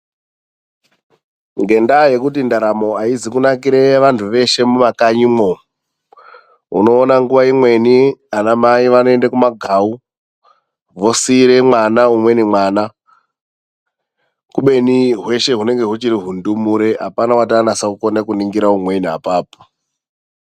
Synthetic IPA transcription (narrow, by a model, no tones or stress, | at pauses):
ŋɡe̞ndaje̞kutindaɾamo̞aizikunakiɾeʋantʰuʋe̞ʃe̞mumakaɲimo | ṵno̞ːnaŋɡuʋaimwe̞nianamaiʋanoe̞ndakumaɡʱau | ʋo̞siɾe̞mwanaumwe̞nimwaːna | kuɓe̞niɦwe̞ʃe̞ɦune̞ŋɡe̞ɦut͡ʃiɾiɦundumuɾe̞ɦa̰panawataːnasaukonekuniŋɡiɾaumwe̞niɦa̰paːpo̥